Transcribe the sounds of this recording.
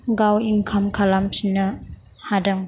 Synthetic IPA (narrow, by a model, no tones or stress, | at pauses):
ɡawiŋkʰɐmkʰalamsʰinːɐ | hadaŋ